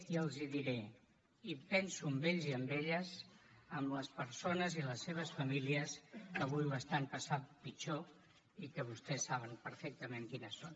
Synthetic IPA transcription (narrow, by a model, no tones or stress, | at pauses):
iəlˠziðiɾe | ipɛnsuəmbeʎziəmbeʎəzəmləspəɾsonəziləsːeβ̞əsfəmiliəskəβ̞ujəst̪anpəsapit͡ʃo | ikəβust̪ɛsːaβ̞ənpəɾfɛk̚t̪əmeŋkinəsːon